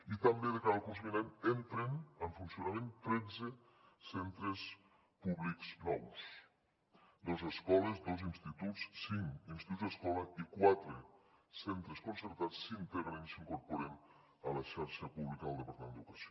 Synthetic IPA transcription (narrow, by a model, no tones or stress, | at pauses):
it̪ambeðəkaðakuns̬umiɾenent̪ɾenəɱfunsiunamẽnt̪ɾɛd͡ze | sent̪ɾes | puβlikznɔws | d̪ozəskɔlezd̪ozinst̪it̪ut͡ssiŋinst̪iuzðeskɔləikwat̪ɾesent̪ɾeskonsəɾt̪at͡sːint̪eɾmensiŋkoɾpuɾen | əlɐʃaɾʃəpuβlikəðəlˠd̪əpəɾt̪amend̪ukasio